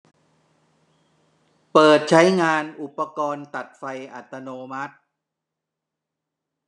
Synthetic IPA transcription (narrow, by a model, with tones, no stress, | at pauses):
pɤː˨˩t̪̚t͡ɕʰa˦˥jŋaː˧nʔu˨˩pːa˧kɔː˧nt̪a˨˩t̪̚fa˧jʔa˨˩t̪ːa˧noː˧ma˦˥t̪̚